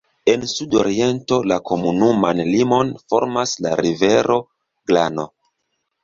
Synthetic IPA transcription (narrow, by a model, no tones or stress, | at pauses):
e̞nsudoɾie̞nto̞lako̞munumanlimo̞nfo̞̰ɾmasla̰ɾive̞ɾʔo̞ | ɡ̥lano̞̰